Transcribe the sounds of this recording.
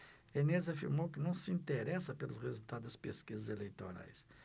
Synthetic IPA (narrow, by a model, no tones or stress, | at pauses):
enezafiɾmowkɪnɐ̃w̃sɪĩnt̪eɾɛsɐpelʊsʁezult̪ad̪ɐspeskizɐzelejt̪oɾa̰js